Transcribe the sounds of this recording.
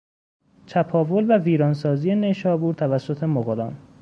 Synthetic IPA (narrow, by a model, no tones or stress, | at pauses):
t͡ʃ̪ʰæpʰɒːvolvæviːɾɒːnsɒːzijene̞ʃɒːbuːɾt̪ʰævæsːot̪ʰe̞moɣolɒ̰ːn